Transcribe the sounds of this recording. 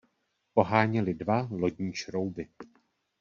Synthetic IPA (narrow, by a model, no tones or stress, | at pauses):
po̞ɦaːɲɛlɪdvalo̞ɟɲiːʃɾo̞wbɪ